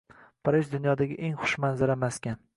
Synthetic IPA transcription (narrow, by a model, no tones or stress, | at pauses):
pʰaɾɪʒd̪ʊnjɒd̪aɡʲɪʔeŋχʊ̥ʃmanzaɾamaskʲan